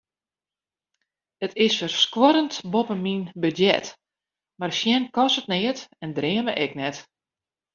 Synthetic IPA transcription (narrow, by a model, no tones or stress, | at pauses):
ətʰɪsfərskwɔɾəntbopəminbədjɛ̰t | marsjɛnkɔsət̚nɪətɛndrɪəməʔɛknɛt